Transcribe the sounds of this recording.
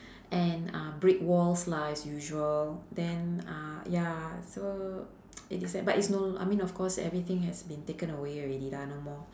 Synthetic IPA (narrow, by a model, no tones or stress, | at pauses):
ʔɛ̃nabɹik̚wɔlslaɪsjuʒuəldɛ̃najaso | itisɛbatitsnoa̰jmĩnɔfkʰɔsɛ̰vɹit̪ɪ̃ŋhɛsbĩntekə̃nəweɔɹɛdidanomɔ